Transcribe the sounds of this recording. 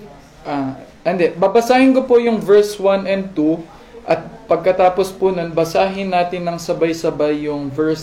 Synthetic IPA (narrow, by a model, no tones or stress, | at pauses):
ʔaːʔɐnd̪ɛbabɐsaːhɪnkopojʊŋvɛɹswanɛnd̪̚t̪u | ʔɐt̪̚pɐɡ̚kɐt̪aːpospʊnonbɐsaːɦɪnːaːt̪ɪnːɐŋsɐbajsɐbajːʊŋvɛɹs